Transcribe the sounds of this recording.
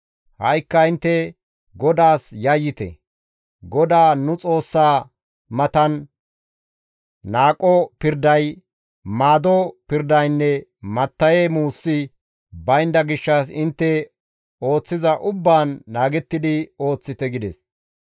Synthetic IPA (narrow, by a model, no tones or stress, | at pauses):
hɐjkːɐɪnt̪ːɛ | ɡɔd̪aːsjɐjːɪt̪ɛ̰ | ɡɔd̪aːnʊt͡sʼo̞ːsːaː | mɐt̪ɐn | aːkʼːɔpɪɾd̪ɐj | maːd̪ɔpɪɾd̪ɐjnːɛmɐt̪ːɐjeːmuːsːɪ | bɐjnd̪ɐɡɪʃːɐs̬ɪnt̪ːɛ | o̞ːt͡sːɪzɐʔʊbːaːnːaːɡɛt̪ːɪd̪ɪo̞ːt͡sːɪt̪ɛɡɪd̪ɛs